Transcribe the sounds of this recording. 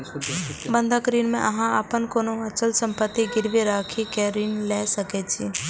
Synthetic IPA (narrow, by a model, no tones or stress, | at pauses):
bə̃nd̪ʱəkɾiːnmḛ̃ʔɐɦãaːpənkoːnoɐt͡ʃəlsə̃mpət̪ːiɡɪɾʋeɾaːkʰikeɾiːnlɛsəket͡ʃʰi